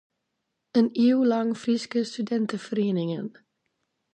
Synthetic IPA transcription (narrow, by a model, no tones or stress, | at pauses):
əniwlɑŋfriskəstydɛntəfəriːnɪŋən